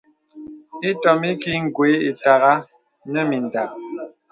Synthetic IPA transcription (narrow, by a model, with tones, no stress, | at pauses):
i˦tɔ˨mi˦ki˦ŋ̩˨ɡwe˨˦i˨ta˨ɣa˦ | nə˦mi˨n˨da˨